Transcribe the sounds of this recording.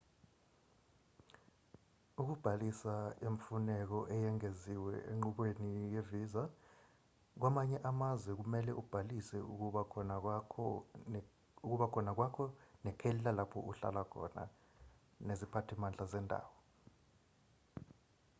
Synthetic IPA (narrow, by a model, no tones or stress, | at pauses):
uk̬ub̥ʱalisaeɱfunɛk̬ɔʔɛjɛŋeziwɛḛŋ͡ǃuɓwenijeviːza | k̬wamaɲɛʔamazwɛk̬umɛlɛʔub̥ʱalisɛua | uk̬uɓakʰɔnak̬wakʰɔnɛkʰɛllalapʰɔ̰ʔuɬa̰lakʰɔ̰na̰ | nezipʰatʰimand͡ɮʱazɛndʱa̰ːwɔ